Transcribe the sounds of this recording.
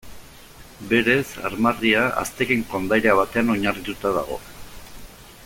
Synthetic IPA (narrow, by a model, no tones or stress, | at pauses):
be̞ɾe̞sa̰ɾmariaa̰st̪e̞keŋko̞nd̪ajɾeaβ̞at̪e̞ano̞ɲarit̪ut̪aða̰ɣo̞̰